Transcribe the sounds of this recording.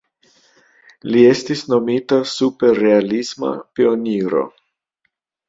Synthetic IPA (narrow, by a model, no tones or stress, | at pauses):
lie̞stisno̞mitasupe̞rːe̞alisma̰pio̞niɾo̞̰